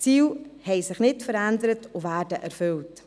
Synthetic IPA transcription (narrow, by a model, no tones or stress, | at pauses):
t͡siːwhɛɪsɪχnɪtfəɾændəɾətʊvæːɾdəʔæɾfʏlt